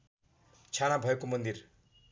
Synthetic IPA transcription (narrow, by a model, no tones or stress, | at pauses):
t͡ʃʰanabʱʌjekomʌnd̪iɾ